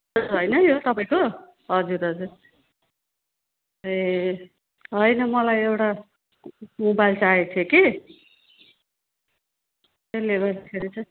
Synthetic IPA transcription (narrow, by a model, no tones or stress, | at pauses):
uɾɦʌjnʌjot̪ʌpaĩko | ɦʌd͡zuɾɦʌd͡zur | e | ɦʌjnʌmʌlajewʈa | mobajlt͡saet̪ʰjeki | eleɡʌrd̪akʰeɾit͡sʰʌ